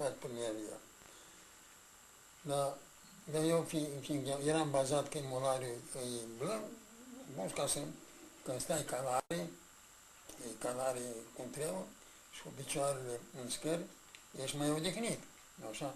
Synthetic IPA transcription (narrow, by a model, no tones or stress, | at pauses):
fakpɾimiavia̰ | d̪a | d̪ajewfifinkajeɾambazat̪kəimolaɾjuɨjblɨn | buskasəkɨnst̪ajkalaɾi | ekalaɾikunt̪ɾewə | ʃi̥obit͡ʃoaɾeleɨnskəɾʲ | jeʃmajod̪ixnit̪ | aʃa